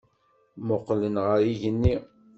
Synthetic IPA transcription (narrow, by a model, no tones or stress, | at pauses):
mʊqlənʁəɾiʝənːi